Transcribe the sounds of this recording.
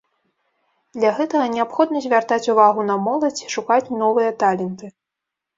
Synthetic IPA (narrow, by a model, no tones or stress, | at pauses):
d̪lʲɐɣɛt̪ɐɣɐnʲɛapxɔd̪nɐzʲvʲart̪at͡sʲuvaɣunɐmɔlˠɐt͡sʲiʂukat͡sʲnɔvɨjɐt̪alʲɛnt̪ɨ